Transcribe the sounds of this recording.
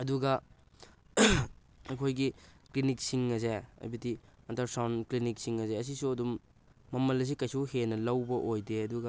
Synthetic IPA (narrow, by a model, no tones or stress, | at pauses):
ɐduɡɐ | ɐjkʰojɡiklinik̚siŋɐs̬eɐ̰jbiti | ɐntɐɾsawnklinik̚siŋɐseɐs̬isuɐdumː | ɐmɐlɐs̬ikɐjsuhenɐlɐwbɐʔojdeɐduɡɐ